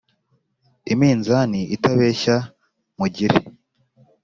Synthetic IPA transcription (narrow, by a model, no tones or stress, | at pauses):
imiːnzaniʔitaβe̞ːʃa | muɟiɾe